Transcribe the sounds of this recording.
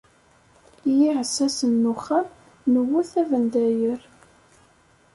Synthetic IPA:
jiʕəsːæsənːuχam | nəwuθævənd̪æjəɾ

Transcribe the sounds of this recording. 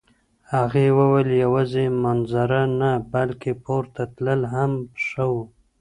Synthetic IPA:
haɣewəwəljawazemanzaɾanabalkepʰoɾt̪at̪ləlɦamʂəwu

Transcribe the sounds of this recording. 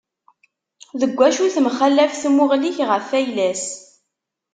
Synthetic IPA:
ðəɡʷːæʃuθmχəlːæfθmʊʁliçʁəfːæjlæs

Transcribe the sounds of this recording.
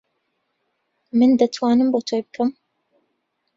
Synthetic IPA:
mɨnd̪ɐt̪ʰwaːnɨmbot̪ʰojbɨkʰɐm

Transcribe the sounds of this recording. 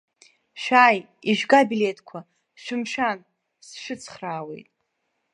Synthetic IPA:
ʃʷᶣaːj | iʒɡabiletʰkʷʰa | ʃʷᶣɪmʃᶣan | sʃɨt͡sʰχraːwḛjtʼ

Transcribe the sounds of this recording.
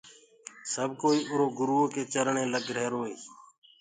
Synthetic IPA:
səb̚ʱkoːiːʔʊɾoːɡʊɾuːoːkeːt͡ʃəɾɳẽːləɡɽ̤ʱeːɾoːeː

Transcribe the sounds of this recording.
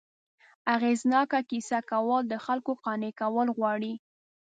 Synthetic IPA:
aɣeznɑkakisakawəld̪əxalkoqɑnekawəlɣwɑɽi

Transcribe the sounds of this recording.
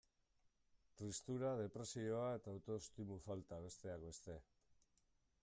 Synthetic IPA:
t̪rist̪uɾað̞e̞pɾe̞sio̞ae̞t̪aːwt̪o̞st̪imufalt̪aβ̞e̞st̪e̞akbe̞st̪e̞

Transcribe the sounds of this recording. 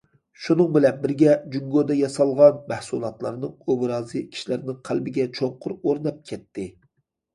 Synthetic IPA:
ʃunɨŋbɪlɛnbɪɾɡʲɛd͡ʒyŋɡod̪ɛjɑsɑlˠʁɑnmæhsulˠɑt̪lˠɑɾnɨŋobɾɑːzɨkʲʰi̥ʃilæɾnɪŋqʰælbɪɡʲɛt͡ʃʰoŋqʰʊɾoɾnɑp̚kʲʰɛt̪ʰːɪ

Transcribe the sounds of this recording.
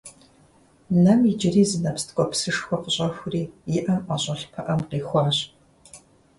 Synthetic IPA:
nɐmid͡ʒɪriːzɨnɐpstkʷʼɔpsɨʂxʷɔqəɕʼɐxʷʊriːjɪʔɐmʔɐɕʼɐɬpʰɐʔɐmqiːxʷɑːɕ

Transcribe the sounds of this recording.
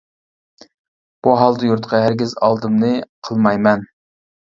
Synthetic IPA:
b̥uɦɑlˠd̪ɨjuɾt̪qʰɑɦæɾɡʲizɑ̰lˠd̪ɨmnɨqʰəlˠmɑjmɛn

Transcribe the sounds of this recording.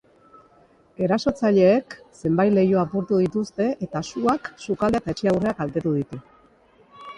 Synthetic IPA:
e̞ɾaso̞t͡saʎe̞ːkse̞mbajle̞joapuɾt̪uð̞it̪ust̪e̞ʔet̪asuaksukaleet̪aet͡ʃeawre̞akalt̪e̞t̪uðit̪u

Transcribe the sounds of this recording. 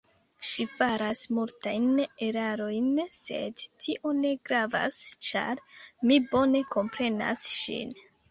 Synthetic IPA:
ʃifaɾasmultajne̞ɾaɾo̞jnse̞̰dtʰiʔo̞ne̞ɡɾava̰st͡ʃa̰ɾmibo̞ne̞ko̞mpɾe̞na̰sʃḭn

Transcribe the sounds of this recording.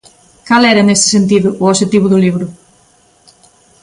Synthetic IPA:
kalɛɾɐenest̪ɪ̥sent̪̬iðʊʔʊoʃet̪iβ̞ʊðʊliβ̞ɾʊ

